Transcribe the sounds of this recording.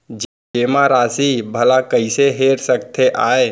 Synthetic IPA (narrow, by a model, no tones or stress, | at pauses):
d͡ʒ | keːmaɾaːsibʱəlakəɪseɦeːɾsəkt̪ʰeʔaːe